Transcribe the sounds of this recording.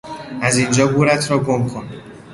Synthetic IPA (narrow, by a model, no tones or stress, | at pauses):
æzind͡ʒɒːɡuːɾæt̪ʰɾɒːɡomkʰon